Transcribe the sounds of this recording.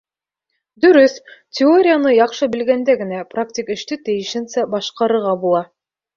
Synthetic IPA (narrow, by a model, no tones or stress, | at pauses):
d̪ɵ̆ɾɵθtʲɪoɾʲɪjanɤjɑqʃɤbɘ̆lɡænd̪æɡɘ̆næprak̚tʲikɘ̆ʃt̪ɘt̪ɘ̆jɘ̆ʃɘ̆nsæbɑʃqɑɾɤ̆ɾʁɑbulˠɑ